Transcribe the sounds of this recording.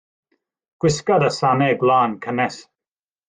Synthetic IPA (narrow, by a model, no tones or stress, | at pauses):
ɡ̥wɪskadəsanɛɡlˠaːnkʰənɛs